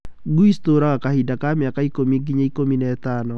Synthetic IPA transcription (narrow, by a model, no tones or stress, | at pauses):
ɡuistoɾaɣakahidakamjakaikomiɡiɲaikominɛɛtanɔ